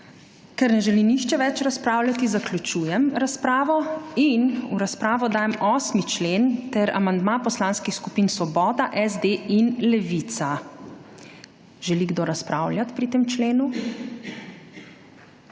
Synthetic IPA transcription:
kɛɾnɛʒɛliniʃt͡ʃɛʋɛt͡ʃɾaspɾaːwlʲjat̪izaklʲut͡ʃuːjɛmɾaspɾaːʋɔinuɾaspɾaːʋɔd̪aːjɛmɔːsmit͡ʃleːnt̪ɛɾa̰mand̪maːpɔslaːnskixskupiːnsʋɔbɔːd̪aʔɛzd̪einlɛʋit̪sa | ʒɛliɡd̪oɾaspɾaːwljat̪pɾit̪eːmt͡ʃleːnu

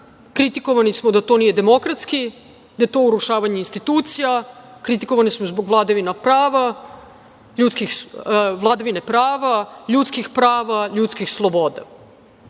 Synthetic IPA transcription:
kɾit̪iko̞ʋanismod̪at̪o̞nijed̪emo̞kɾat̪ski | d̪̥ajet̪o̞ːuɾuʃaːʋaɲe̞inst̪it̪uːt̪sija | kɾit̪i̥ko̞ʋanismozbo̞ɡʋlˠaːd̪aʋinapɾaːʋa | ʎut̪skixʋlˠaːd̪aʋinepɾaːʋaʎut̪skixpɾaːʋaʎut̪skixslˠobod̪a

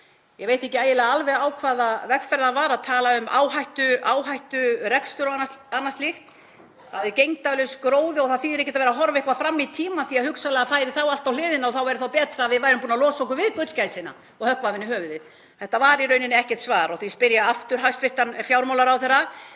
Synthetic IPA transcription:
jɛɣveːjt̪ɛhcɪaːjɪlaɣaalvɛɣaːwkʰvaːðavɛkfɛɾðavaːɾaðt̪ʰaːlaʏma̰ːwɦajht̪ʏaːwɦajht̪ʏɾɛkst̪ʏɾnanːast̪lixt̪ | aðɪɾcejŋt̪alʏskɾoːwðɪɔɣθaðθiːɛɾɛhcːɛ̥t̪avɛɾaɦɔɾvɪhkvafɾamːit̪ʰiːmaθiaðhʏksalɛɣafaːjɾɪθawal̥t̪awlɪːðɪnaɔθawɛɾʏθawpɛːt̪ɾaːvɪðvajɾʏmpuːnalɔːsɔkʏvɪðkœt̪l̥cajsɪna̰ | ɔɣhœhkvavɪnːɪhœːvʏðɪ | θɛht̪ːavaːɾiɾœɥnɪnɪɛhcɛɾ̥t̪svaːɾɔɣθispɪɾjaaft̪ʏɾ̥ɦajst̪fɪht̪anfjaːwɾmawlaɾawθɛɾa

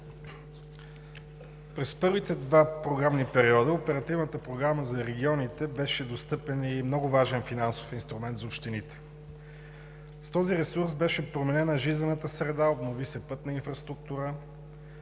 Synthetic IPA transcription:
pɾɛspɤɾvit̪ɛd̪vapɾoɡɾamnipɛɾiɔd̪əopɛɾɐt̪ivnət̪əpɾoɡɾaməzɐɾɛɡʲiɔnit̪ɛbɛʃɛd̪ost̪ɤpɛnimnɔɡʊvaʒɛnfinanso̥finst̪ɾumɛnt̪zɐopʃt̪init̪ɛ̥ | st̪ɔziɾɛsuɾsbɛʃɛpɾomɛnɛnɐʒizənət̪əsɾɛd̪aobnovisɛpɤt̪nɐinfɾɐst̪ɾuk̚t̪uɾə

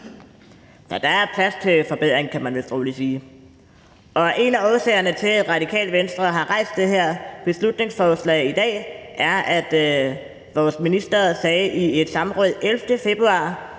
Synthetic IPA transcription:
sɒd̥ɑ̈æɐpʰlæst͡sʰe̝fɒ̽b̥eð̞̰ˠʁeŋ̩kʰæmænʋelsd̥o̝ːlisiː | ʔɒ̽ʔe̝næɒːsɛ̰ɪɐnət͡sʰe̝led̥ʁɑ̈d̥ikʰɛ̰ːld̥ʋensd̥ʁɐɦɑ̈ʁɑ̈ɪ̰sd̥eɦeɐ̰b̥e̝slud̥ne̝ŋsfɒːslɛ̰ɪid̥ɛ̰ːʔæɐʔæd̥ | ʋɒːsminisd̥ɐsɛːʔie̝d̥sɑ̈mʁɔð̩̰ˠʔelfd̥əfe̝b̥ʁuɑ̰̈ː

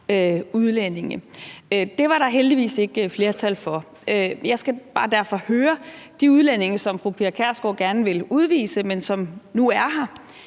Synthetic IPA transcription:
øuð̞ˠlene̝ŋə | d̥e̝ʋɑ̈ɾɑ̈ɦeld̥iʋḭːse̝ɡ̥fle̝ːɐt͡sʰælfɒ̽ | øjɑ̈ɪsɡ̥æb̥ɑ̈ːd̥æɐ̰fɒ̽høːɐd̥iuð̞ˠlene̝ŋəsɒ̽mfʁupʰiɐkʰæɐsɡ̥ɒ̰ɡ̥æɐnəʋe̝luð̞ˠʋḭːsəmensɒ̽mnuæɐɦɑ̈

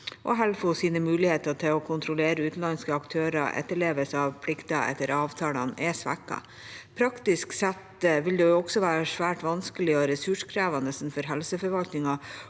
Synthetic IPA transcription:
ʔɔ̰ɦɛlfɔsiːnəmʉːlɪheːt̪ɑt̪ʰɪlɔkʰʊnt̪ʰɾʊleːɾəʉːt̪n̩ɑnskəɑkt̪ʰøːɾɑ̰ʔɛ̰t̪ːəɭeːʋəsɑʋpʰlɪkt̪ɑʔɛ̰t̪ːəɾɑːʋt̪ʰɑːlɑnʔɛsʋæ̰kːɑ̰ | pʰɾɑkt̪ɪsksɛt̪ʋɪld̪ɛjʊɔɡsɔʋæːɾəʂʋæːʈʋɑnskəlɪɔɾɛsʉʂkʰɾæːʋɑnəsn̩fɔɾɦɛlsəfɔɾʋɑlt̪nɪŋɑ

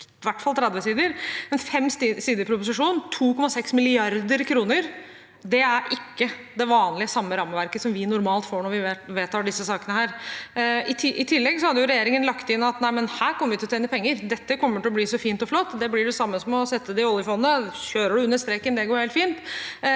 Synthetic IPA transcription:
ʋæʈːfɑlˠt̪ʰɾɛd̪ʋəsiːd̪əɾmɛnfɛmːssiːd̪əpʰɾʊpʊs̬ɪʂuːnnt̪ʰuːkʰɔmːɑsɛksmɪlɪɑɾd̪əɾkʰɾuːnəɾ | d̪ɛæɾʔɪkːə | d̪ɛʋɑːnlɪəsɑmːəɾɑmːəʋæɾkəsɔmʋɪnʊɾmɑːlt̪foːɳɔɾʋɪʋeːt̪ʰɑːɖɪsːəsɑːkənəhæːɾ | ɪt̪ʰɪʔɪt̪ʰɪlːɛɡsɔhɑd̪ːəjʊɾɛjeːɾɪŋənlɑkt̪ɪnːɑt̪næɪmənhæːɾkʰɔmːəʋɪt̪ɪɔt̪ʰeːnəpʰɛŋːəɾd̪ɛt̪ːəkʰɔmːəʈɪlɔb̪iːsɔfiːnt̪ɔflɔt̪ːd̪ɛblɪɖɛsɑmːəsɔmɔsɛt̪ʰːəd̪ɛɪɔlˠjəfɔnːnəɕøːɾəɖʉʉnːəʂst̪ɾɛːkənd̪ɛɡoːɾheːlt̪fiːnt̪

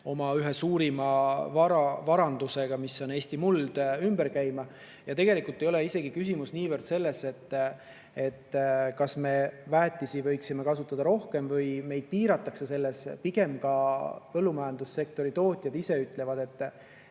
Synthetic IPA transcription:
o̞mɑyɦe̞suːɾimɑvɑɾɑvɑɾɑnd̪̥use̞ɡ̥ɑmisːo̞ne̞ːsʲt̪imuld̪̥ymb̥e̞ɾkæjmɑ | jɑt̪e̞ɡe̞likːˑult̪ːˑe̞jo̞le̞ise̞ɡ̥ikysʲimusniːvərd̪̥se̞lːe̞se̞t̪ː | e̞t̪ːkɑsme̞væːt̪ˑːisivɤ̞jksime̞kɑsut̪ːˑɑd̪̥ɑɾo̞hke̞mvɤjme̞jd̪̥̚piːɾɑt̪ːˑɑksese̞lːe̞spiɡ̥e̞mkɑpɤlːumɑjɑnd̪̥usːe̞k̚t̪o̞ɾit̪o̞ːt̪ʲˑjɑd̪ise̞yt̪ˑle̞vɑd̪̥e̞t̪ː

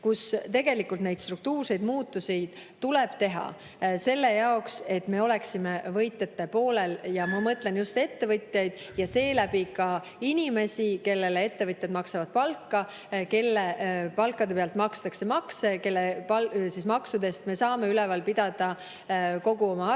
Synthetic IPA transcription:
kust̪e̞ɡe̞likːult̪ne̞jd̪st̪ruk̚t̪uːrse̞jd̪̥muːt̪ːˑuse̞jd̪̥ | t̪ulɛb̥t̪e̞ɦɑ̰ | se̞lːe̞jɑokse̞t̪ːme̞o̞le̞ksimevɤjt̪ːˑe̞t̪ːe̞po̞ːle̞ljɑmɑmɤt̪lenjust̪e̞t̪ːe̞vɤt̪jɑjd̪̥ | jɑse̞ːlæbikɑ | inʲime̞sʲike̞lːe̞le̞e̞t̪ːe̞vɤt̪ʲˑjɑd̪mɑksevɑd̪̥̚pɑlkːɑ | ke̞lːepɑlkːˑɑd̪e̞peɑlt̪ˑmɑkst̪ɑkse̞mɑkse̞ke̞lːepɑsismɑksud̪e̞st̪me̞sɑːme̞ylɛvɑlpid̪̥ɑd̪̥ɑ | ko̞ɡ̥uo̞mɑ

